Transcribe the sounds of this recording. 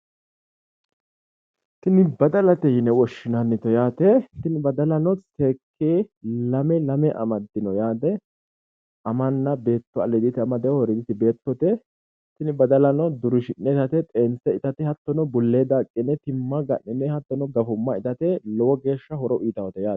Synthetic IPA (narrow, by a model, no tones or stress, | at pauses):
tɪnɪbɐd̪ɐlɐt̪ɛjɪnɛwɔʃːɪnanːɪt̪ɔjaːt̪ɛt̪ɪnɪbɐd̪ɐlɐnɔseːkʰːeːlɐmɛlɐmɛʔɐ̰mɐd̪ːɪnɔjaːd̪ɛ | ʔɐmɐnːɐbe̞ːt̪ːɔɐlɛd̪ɪt̪ɪɐmɐd̪ɛwɔhɔɾɛd̪ɪt̪ɪbe̞ːt̪ːɔt̪ɛ | t̪ɪnɪbɐd̪ɐlɐnɔd̪ʊɾɪʃɪnːɛt̪ɐt̪ɛt̪ʼeːnsɛɪt̪ɐt̪ɪhɐt̪ːɔnɔbʊlːeːd̪aːkʼːɪnːɛt̪ɪmːɐɡɐʔːɪnːɛhɐt̪ːɔnɔɡɐfʊmːɐɪt̪ɐt̪ɛlɔwɔɡe̞ːʃːɐhɔɾɔʔiːt̪ɐwɔt̪ɛjaː